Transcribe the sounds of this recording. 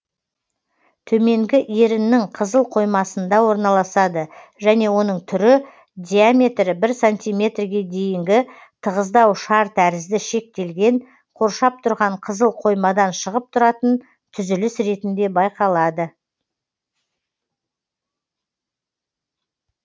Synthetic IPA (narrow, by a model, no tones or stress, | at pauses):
t̪ʰɵme̞ŋɡʲɪʔeɾɪnːɪŋqʰəzəlˠqʰo̞jmɑsənd̪ɑwo̞ɾnɑlˠɑsɑd̪əʒæne̞wo̞n̪əɴt̪ʰʏɾɪ | d̪ʲijamʲe̞t̪ɾɪbɪɾsanʲt̪ʲijmʲe̞t̪rɡʲe̞d̪e̞jɪŋɡʲɪ | t̪ʰəʁəzd̪ɑwʃɑɾt̪ʰæɾɪzd̪ɪʃe̞k̚t̪e̞lɡʲe̞ɴ | qʰo̞ɾʃɑp̚t̪ʰʊɾʁɑɴqʰəzəlˠqʰo̞jmɑd̪ɑnʃəʁəp̚t̪ʰʊɾɑt̪ən | t̪ʰʏzʏlɪsɾe̞t̪ɪnd̪e̞bɑjqɑlˠɑd̪ə